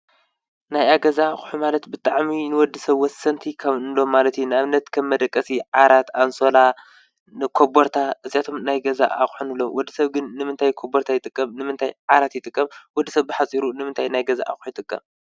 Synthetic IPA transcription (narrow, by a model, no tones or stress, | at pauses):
najaɡɐzaːxʼħumalɐt̪bɨt̪ʼaʕminɨwɔd̪ːisɐβwɔsɐnt̪ʰikʰɐβnɨlo̞mːalɐt̪junɨaβnɐt̪kʰɐmːɐd̪ɐkʼːɐsiʕaɾat̪ʰanso̞la | nɨkʰoboɾt̪ʰaʔɨzijat̪ʰo̞mnajɡɐza̰ʔa̰xʼħunɨlːowɔd̪ːisɐβɡɨnːɨmɨnt̪ʰajkʰoboɾt̪ʰajɪt̪ʼɨkʼːɐmnɨmɨnt̪ʰajʕaɾat̪jɪt̪ʼɨkʼːɐmwɔd̪ːisɐβːɨħat͡sʼiɾunɨmɨnt̪ʰajnajɡɐza̰ʔa̰xʼħujɪt̪ʼɨkʼːɐ̰m